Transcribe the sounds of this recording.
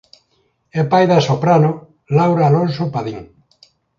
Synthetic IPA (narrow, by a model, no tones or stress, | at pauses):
epajðasopɾano | lawɾaːlonsopaðiŋ